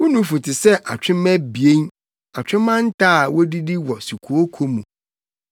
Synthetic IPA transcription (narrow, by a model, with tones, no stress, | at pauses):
wʊ˦nũ˦fũ˨tʰɪ˨sɛ˦ʔa˨t͡ɕᶣɪ̃˦mɛ̃˦bi˨e˦n | a˨t͡ɕᶣɪ̃˦mã˦n̩˦tʰaː˦˨wɔ˦di˦di˦wɔ˨su˨kʰu˨o˦kʰo˦mũ˨